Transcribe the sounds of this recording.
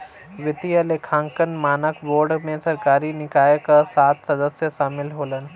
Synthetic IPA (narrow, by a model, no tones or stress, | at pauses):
ʋɪt̪ijəlekʰãːŋkənmaːnəkboːɾɖmẽsɐɾkaːɾinɪkaːjəkəsaːt̪sɐd̪əsjəʃaːmɪlɦoːlən